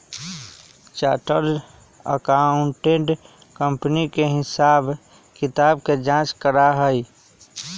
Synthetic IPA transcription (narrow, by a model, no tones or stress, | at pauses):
t͡ʃaːʈəɾ | ə̰kaʊ̃ɳʈeɖ | kəmpnikeɦɪsaːb | kɪt̪aːb̚ked͡ʒãːt͡ʃkəɾaɦəi